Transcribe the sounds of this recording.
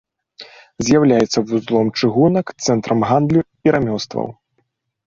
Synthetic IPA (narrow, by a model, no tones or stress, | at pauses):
zʲjawlʲajɛt̪sːɐvuzlˠɔmt͡ʂɨɣunɐkt̪sɛnt̪ɾɐmɣand̪lʲu | iɾamʲɔwst̪vɐ̰w